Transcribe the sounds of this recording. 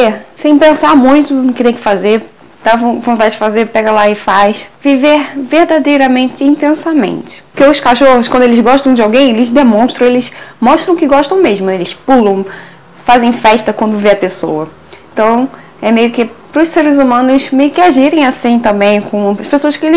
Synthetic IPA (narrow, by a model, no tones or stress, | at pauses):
esẽj̃pẽsaɾmũj̃t̪ʊʊkɪt̪ẽj̃kɪ̥fazeɾ | d̪̥aṽvõnt̪ad͡ʒɪd͡ʒɪfazeɾpɛɡɐlaɪfajsviveɾvehd̪ad̪ejɾɐmẽnt͡ʃɪĩnt̪ẽsɐmḛ̃nt͡ʃɪ̥pʊkeʊskaʃohʊskwɐ̃nd̪ʊelɪzɡɔʃt̪ɐ̃w̃d͡ʒɪawɡẽj̃elɪzd̪emõst̪ɾɐ̃w̃elɪsmɔʃt̪ɾɐ̃w̃kɪɡɔʃt̪ɐ̃w̃meʒmʊelɪspulɐ̃w̃ | fazẽj̃fɛʃt̪ɐkwɐ̃nd̪ʊveɐpesowɐ | ẽnt̪ɐ̃w̃ | ɛmejʊkɪpɾʊsseɾɪzumɐ̃nʊsmejʊkɪaʒiɾẽj̃asĩt̪ɐ̃mbẽj̃kõɐʃpesoɐskɪelɪ